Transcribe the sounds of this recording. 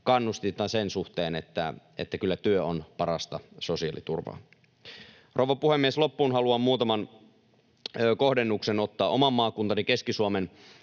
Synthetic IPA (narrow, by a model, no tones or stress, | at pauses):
kɑnːust̪it̪ːˑɑsensuht̪eːnet̪ːæ̰ | ḛt̪ːækylːæt̪yøonpɑɾɑst̪ɑsosiɑ̰ˑlḭt̪ṵrʋɑ̰ː | roʋɑpuhemːieslo̞pːuːnɦɑluɑmuːt̪ɑmɑn | ko̞hdenːukseno̞t̪ːɑːʔo̞mɑmːɑːkunt̪ɑnike̞skisuomen